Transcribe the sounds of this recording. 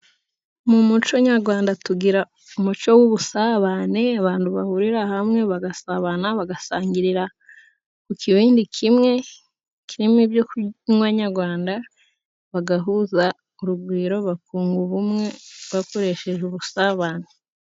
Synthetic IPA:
mumut͡ʃo̞ɲaɾɡwaːndatuɡiɾa | umut͡ʃo̞wuβusaβane̞aβaːnduβahuɾiɾahamŋe̞βaɡasaβanaβaɡasaːɲɟiɾiɾa | kukʰiβiːndikʰimŋe̞ | kiɾimibjokwaɲaɾɡwaːnda | βaɡaɦuza | uɾubɡwiːɾo̞βakuːŋɡuβumŋe̞βako̞ɾe̞ʃe̞ʒuβusaβaːne

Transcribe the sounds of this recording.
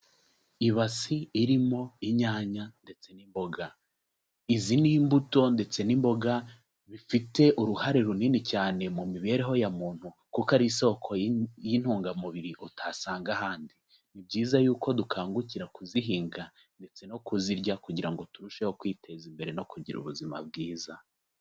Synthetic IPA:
iβasiːɾimo̞iɲaːɲande̞t͡se̞nimbo̞ɡa | izinimbuto̞nde̞t͡se̞nimbo̞ɡa | βifite̞ʔuɾuhaɾeɾuninicaːne̞mumiβe̞ːɾeɦo̞jamuːn̥hu | kukaɾiso̞kʰo̞jin̥huːŋɡamuβiɾiʔotʰasaːŋɡahaːndi | nibɟiːzajuːko̞dukʰaːŋɡuciɾakuziɦiːŋɡa | nde̞t͡se̞no̞kuziɾɟakuɟiɾaŋɡo̞tuɾuʃe̞ho̞kwiːte̞zimbe̞ɾe̞no̞kuɟḭɾṵβuzima̰b̚ɡiːza

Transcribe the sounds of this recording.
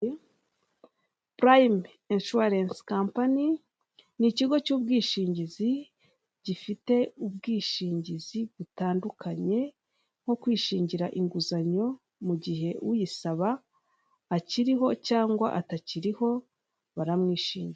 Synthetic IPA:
pɾajm | enʃuaɾenskampani | niciɡo̞cuːb̚ɡiːʃiːɲɟizi | ɟ̥ifite̞ub̚ɡiːʃiːɲɟiziβutaːndukʰaɲe̞ | ŋ̥o̞kwiːʃiːɲɟiɾaʔiŋɡuzaɲo̞ | muɟiɦe̞uwijisaβaː | ciɾiɦo̞caːŋɡwa̰ʔataciɾiho̞ | βaɾamŋiːʃiːɲɟia

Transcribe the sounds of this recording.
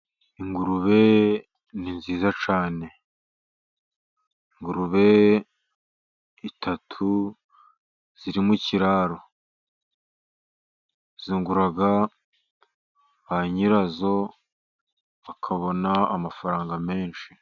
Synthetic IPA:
iŋɡuɾuβe̞ | ninziːzat͡ʃaːne̞ | iŋɡuɾuβe̞ | itʰatʰu | z̥iɾimuciɾaɾo̞ | z̥iːŋɡuɾaɡa | βaɲiɾazo̞ | βakʰaβo̞naamafaɾaːŋɡame̞ːnʃi̥

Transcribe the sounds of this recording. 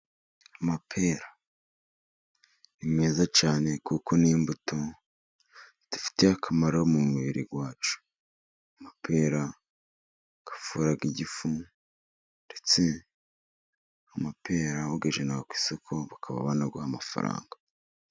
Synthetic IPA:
amapʰe̞ːɾa | nime̞ːzat͡ʃaːne̞kuko̞niːmbutʰo | d̥u̥fi̥tehakʰamaɾamumuβiɾḭɡwaːt͡ʃu̥ | amapʰe̞ːɾa | ɡ̥ḁfuɾaɡiɟifu | nde̞t͡se̞ | amape̞ːɾawoɡeʒenaɡakwi̥sokʰo̞βakʰaβa̰βanaɡahamafa̰ɾa̰ːŋɡa

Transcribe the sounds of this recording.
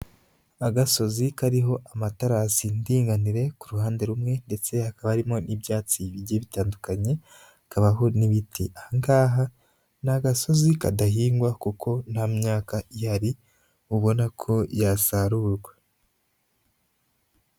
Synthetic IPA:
aɡaso̞zikaɾiɦo̞ʔamataɾasindiːŋɡaniɾe̞kuɾuhaːnde̞ɾumŋe̞nde̞t͡se̞hakaβaɾimo̞nʔibjaːt͡siβiɟeβitaːndukaɲe̞ | kaβaɦo̞niβitʰiaŋɡaːɦa | naɡaso̞zikadaɦiːŋɡwakukʰo̞nhamɲaːkaʔihaɾi | uβo̞nakʰo̞jasaɾuːɾɡwa

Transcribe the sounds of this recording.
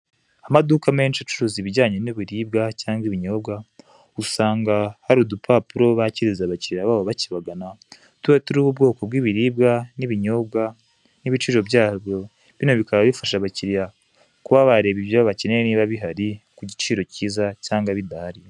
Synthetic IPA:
amadukame̞ːnʃat͡ʃuɾuziβiɟaːɲe̞nuβiɾiːb̚ɡacaːŋɡiβiɲo̞bɡa | usaːŋɡahaɾudupʰapuɾo̞βaciɾizaβaciɾiɾaβaːβoβaciβaɡana | tuwetuɾiːβubɡo̞ːko̞b̚ɡiːβiɾiːbɡaniβiɲo̞bɡa | niβit͡ʃiːɾo̞bɟaːβjo̞ | βino̞βikaβaβifaʃaβaciɾiɾa | kuβaβaɾeβiβjoββaceneniːβaβiɦaɾikuɟit͡ʃiːɾo̞ciːzacaːŋɡaβidahaɾi

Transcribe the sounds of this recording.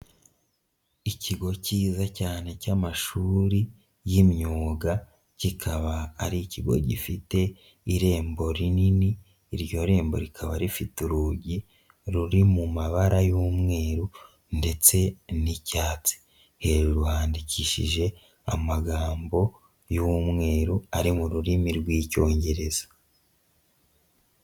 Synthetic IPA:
icʰiɡo̞ciːzacaːne̞camaʃuːɾi | jimɲuːɡa | cikʰaβaːɾiːciɡo̞̰ɟifite̞ | iɾe̞ːmbo̞ɾininiː | ɾjo̞ɾe̞ːmbo̞̰ɾikʰaβaɾifituɾuɟi | ɾuɾimumaβaɾajuːmŋe̞ːɾu | nde̞t͡se̞nicaːt͡si̥ | he̞ɾuɾuhaːndiciʃḭʒe̞ | amaɡaːmbo̞ | juːmŋe̞ːɾuaɾimuɾuɾimiɾɡwiːco̞ːɲɟe̞ɾe̞z̥ḁ

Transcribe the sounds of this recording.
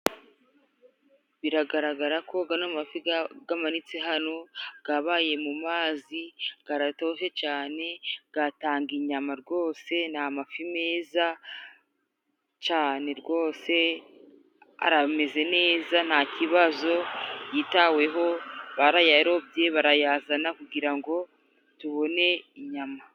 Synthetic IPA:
βiɾaɡaɾaɡaɾakʰo̞ɡanammafiɡamanit͡seɦano̞ɡ̥aβaːje̞mumaːziɡ̥aɾato̞ʃe̞t͡ʃaːne̞ɡ̥ataːŋɡiɲamaɾɡo̞ːse̞n̥amafimeːza | t͡ʃaːne̞ɾɡo̞ːse̞ | a̰ɾame̞ze̞ne̞ːzan̥haciβazo̞jiːtawe̞ɦo̞βaɾajaɾo̞bje̞βaɾajazanakuɡiɾaŋɡo̞ | tuβo̞ne̞iɲama

